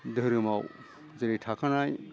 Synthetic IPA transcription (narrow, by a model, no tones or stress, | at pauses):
d̪ʱəɾɯmaw | zɯɾiʈʰakanaj